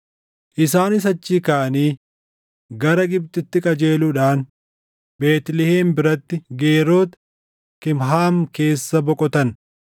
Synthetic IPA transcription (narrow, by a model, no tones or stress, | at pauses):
ʔɪsaːnɪs̬ɐt͡ʃːiːkaːʔɐniː | ɡɐɾɐɡɪb̚t̪ɪt̪ːɪkʼɐd͡ʒe̞ːluːᶑaːn | be̞ːt̪lɪhe̞ːmbɪɾɐt̪ːɪɡeːɾo̞ːt̪ | kɪmɦaːmke̞ːsːɐbɔkʼɔt̪ɐn